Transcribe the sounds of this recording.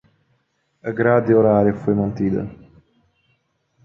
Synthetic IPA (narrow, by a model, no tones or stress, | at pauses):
əɡɾad̪ioɾaːɾjfujmɐnt̪iːd̪ə̰